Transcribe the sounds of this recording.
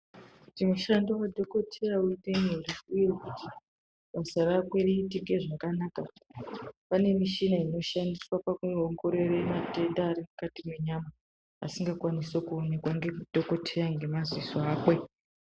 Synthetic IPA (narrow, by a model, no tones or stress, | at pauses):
timuʃandowadʱo̞ko̞tʰejauiteneriujekuti | ɓasarakwe̞riːtiɡe̞ʐakanaːka | pane̞miʃinaino̞ʃandiswapakuoŋɡo̞ɾe̞remate̞ndaːɾimukatimwe̞ɲama | a̰siŋɡakwaniso̞kuone̞kwaŋɡe̞mudʱo̞ko̞tʰejaŋɡe̞mazisoaːkwe̞